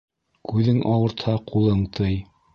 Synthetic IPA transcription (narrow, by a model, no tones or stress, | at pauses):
kʉðɘŋʔɑwɤ̆ɾt̪hɑqulˠɤɴt̪ʰɤj